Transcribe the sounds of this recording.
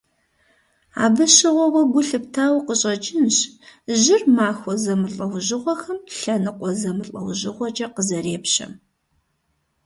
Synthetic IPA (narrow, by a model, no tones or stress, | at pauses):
a̰ːbɨɕɪʁʷɔwɐɡʷʊɬɨp̚tʰaːwqəɕʼɐt͡ʃʼɪnɕʑɪrmaːxʷɔzɐmɨɬʼɐwʑɪʁʷɔxɐmɬɐnɨqʷʼɔzɐmɨɬʼɐ̰wʑɪʁʷɔt͡ʃʼɐqəzɐɾeːpɕɐ̰m